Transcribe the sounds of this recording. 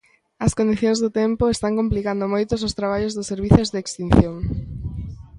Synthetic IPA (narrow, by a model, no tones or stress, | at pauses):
ɐskond̪iθjõŋzðʊt̪empʊest̪aŋkomplikand̪omojt̪ʊsʊst̪ɾaβ̞aʎʊzðʊsːeɾβiθozðeːkst̪in̟θjoŋ